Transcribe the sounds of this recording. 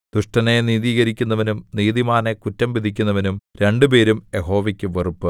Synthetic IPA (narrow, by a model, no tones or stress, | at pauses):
d̪̥uʂʈɐneniːðiːɣɐɾikʲːunːɐʋɐnumniːðimaːnekutːɐmʋid̪ʱikʲːunːɐʋɐnumɾe̞ɳɖɨpe̞ːɾumjeɦo̞ːʋɐkʲːuʋerupːɨ